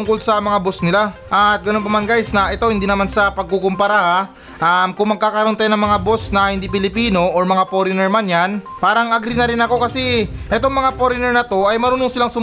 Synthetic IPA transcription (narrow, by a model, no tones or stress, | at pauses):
ʊŋko̞lsɐmɐŋabo̞snɪlaʔɐt̪̚ɡɐno̞npɐmanɡajsnɐʔɛt̪o̞hɪnd̪iːnɐmansɐpɐɡ̚kukompɐɾaha | ʔɐmkʊŋmɐɡ̚kaːkɐɾʊnt̪ajnɐŋmɐŋabo̞snɐhɪnd̪ipɪlɪpiːno̞ʔoɹmɐŋapoɾɪnɛɹmanjan | paːɾɐŋaɡɾinɐɾɪnɐko̞kɐsɛʔɛt̪o̞ŋmɐŋapoɾɪnɛɹnɐt̪o̞ɐjmɐɾuːnoŋsɪlaŋsʊm